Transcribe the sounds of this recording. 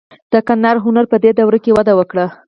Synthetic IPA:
d̪̥əkanːaɾɦʊnaɾpəd̪ed̪awɾakewad̪awəkɽa

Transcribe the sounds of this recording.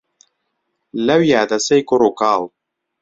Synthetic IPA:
lɐwjaːd̪ɐsejkʊɾokaːl

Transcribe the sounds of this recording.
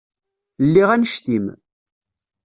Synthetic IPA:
lːiʁænəʃt̪im

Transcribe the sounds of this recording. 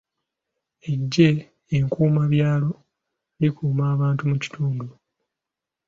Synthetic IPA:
eɟːe̞ː | ŋkuːmaβjaːlo̞ | likuːmaːβaːntumuci̥tʰuːndu

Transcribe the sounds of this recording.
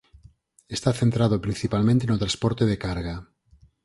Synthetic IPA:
est̪aθent̪ɾaðopɾinθipalmẽnt̪enot̪ɾaspɔɾt̪eðekaɾɣa

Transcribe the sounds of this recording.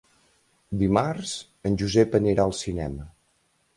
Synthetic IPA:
d̪imaɾz̥ | ənʲʒuzɛpəniɾaəlˠsinɛ̰mə

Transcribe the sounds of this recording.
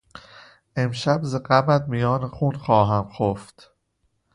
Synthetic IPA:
ʔe̞mʃæbzeɢæmæd̪mijɒːnexuːnxɒːɦæmxoft̪

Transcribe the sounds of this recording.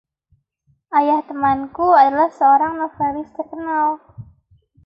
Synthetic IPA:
ʔajaht̪əmankuadalahsəoɾaŋnofalɪst̪əkənal

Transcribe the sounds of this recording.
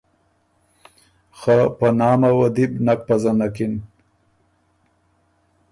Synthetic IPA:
xapanɑːmawad̪ibnak̚pazanakin

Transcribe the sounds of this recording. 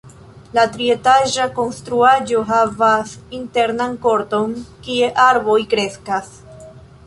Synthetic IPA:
latɾie̞taʒako̞nstɾuad͡ʒo̞ɦavasinte̞ɾnanko̞ɾto̞nkie̞ʔaɾbo̞jkɾe̞skas

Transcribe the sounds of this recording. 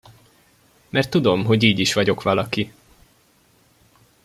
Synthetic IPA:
mɛrt̪ːud̪o̞mɦo̞ɟiːɟiʃʋɒɟo̞kʋɒlɒki

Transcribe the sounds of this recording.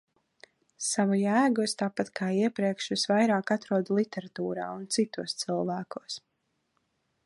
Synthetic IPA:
savujæːɡust̪aːpat̪kʰaːiɛpɾiɛkʃʋisvajɾaːkat̪ɾuɔd̪lˠit̪ɛɾat̪uːɾa̰ːunt̪sit̪uɔst̪sɨlˠvæːkuɔs

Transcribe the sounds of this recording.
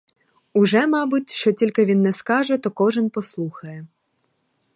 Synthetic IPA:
ʊʒɛmɑbʊtʲʃt͡ʃɔtʲilʲkɪʋʲinːɛskɑʒɛt̪ɔkɔʒɪnpɔslˠuxɐjɛ

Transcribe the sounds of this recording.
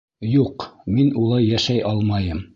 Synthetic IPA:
juqminulˠɑjːæʃæjʔɑlˠmɑjɤm

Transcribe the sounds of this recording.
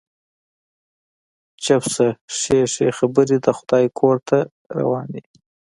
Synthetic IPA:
t͡ʃapsaʂeʂexabəɾid̪əxʊd̪̥ɑjkʰoɾt̪ʰa | ɾa̰wɑːnd̪i

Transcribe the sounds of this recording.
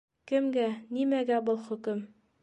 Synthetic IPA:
kɘ̆mɡænimæɡæbɤlˠχɵ̆kɘm

